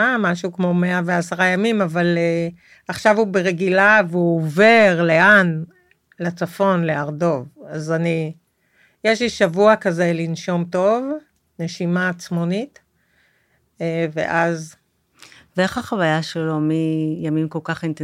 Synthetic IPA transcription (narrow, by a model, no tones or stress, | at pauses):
amaʃukmo̞me̞aveasaʁajamimavale | aχʃavubeʁeɡilaveuove̞ʁle̞ʔan | lat͡safo̞nle̞aʁdo̞vazani | jeʃliʃavuakazelinʃo̞mto̞v | ne̞ʃimaːt͡smonit | evḛʔaz | veeχaχavajaʃelomijamimkolkaχint̪e